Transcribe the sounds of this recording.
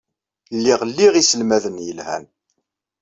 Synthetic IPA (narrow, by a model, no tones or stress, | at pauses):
lːiʁlːiʁisəlmæðənjəlhæ̰n